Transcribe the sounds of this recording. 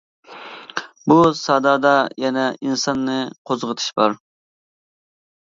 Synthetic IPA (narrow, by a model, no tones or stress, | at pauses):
busɑːd̪ɑːd̪ɑjɛnɛʔinsɑnːɨqʰozʁət̪ʰɨ̥ʃbɑɾ